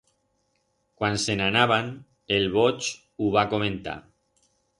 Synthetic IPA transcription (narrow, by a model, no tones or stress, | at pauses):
kwansenanaβ̞an | elβ̞ot͡ʃ | uβakomẽnt̪a̰